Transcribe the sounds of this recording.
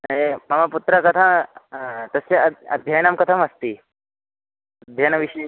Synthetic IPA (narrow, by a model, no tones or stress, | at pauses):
emɐmaput̪ɾəkɐt̪ʰa | t̪əseɐ̰d̪ʱjajnamkɐt̪ʰaməst̪iː | d̪ʱjajnɐʋiɕ